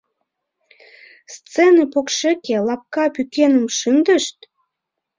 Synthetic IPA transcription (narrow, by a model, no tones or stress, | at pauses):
st͡senepokʃekelɑp̚kɑpykenəmʃənd̪əʃt̪